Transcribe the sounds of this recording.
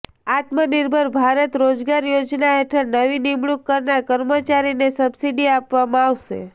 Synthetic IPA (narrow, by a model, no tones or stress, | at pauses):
at̪məniɾbʱəɾbʱaɾət̪ɾod͡ʒɡaɾjod͡ʒnaɦeʈʰəɾnəʋinimɭukːəɾnaɾkəɾmət͡ʃaɾinesəbsiɖiapʋamãaʋʃḛ